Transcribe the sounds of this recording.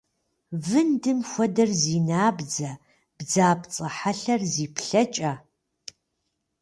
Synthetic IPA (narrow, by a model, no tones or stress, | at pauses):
vɨndɨmxʷɐdɐrziːnaːbd͡zɐ | b̥d͡zaːpt͡sʼɐħaɬɐrziːpʰɬɐt͡ʃʼaː